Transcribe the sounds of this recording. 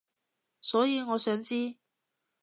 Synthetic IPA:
sɔː˨˥jiː˨˧ŋɔː˨˧˥sœː˨˥ŋt͡siː˥

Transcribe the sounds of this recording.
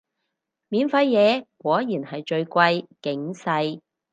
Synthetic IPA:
miː˨˥nfɐ˧jːɛː˨˧kwɔː˨˥jiː˨˩nhɐ˨jt͡ʃɵ˧ɥkʷɐ˧jkɪ˨˥ŋsɐ˧j

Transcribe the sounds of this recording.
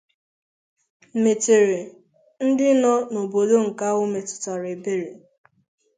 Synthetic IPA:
me˨te˨ɾe˨ | n̩˦dɪ˦nɔ˦no˨bo˨do˦ŋ̩˨ka˦wʊ˦me˨tʊ̥˨tɔ˨ɾe˨be˨ɾe˨

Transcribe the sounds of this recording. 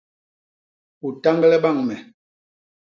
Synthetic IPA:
u˨ta˦ŋɡlɛ˦ɓa˦˨ŋmɛ˨

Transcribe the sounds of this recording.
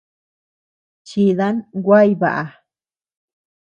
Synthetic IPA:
t͡ʃi˧ða˦nɡʷa˦jβa̰˨ʔa˧

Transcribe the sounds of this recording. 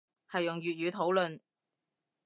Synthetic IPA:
hɐ˨jʊ˨˩ŋɥyː˨t̚jyː˨˧t̪ʰo˨˥wlɵ˨n

